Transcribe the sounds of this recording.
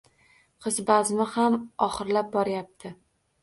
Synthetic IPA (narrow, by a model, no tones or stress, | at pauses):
qʰɨzbazmɪhamɒχɨɾlap̚bɒɾajap̚t̪ʰɪ